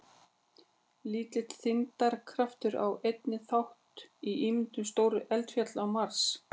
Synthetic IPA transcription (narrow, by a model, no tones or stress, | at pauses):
liːt̪lɪt̪θɪnt̪aɾkʰɾaft̪ʏɾa̰wejt̪nɪθawht̪iiːmɪnt̪ʏmst̪oːwɾʏʔɛlt̪fjat̪lawmar̥s